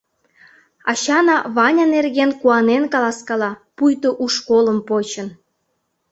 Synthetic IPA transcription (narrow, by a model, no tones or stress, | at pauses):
ɑ̰ɕɑnɑβɑnʲɑnerɣʲenkuɑnenkɑlɑskɑlɑpujt̪oʔuʃkolə̆mpot͡ɕə̆n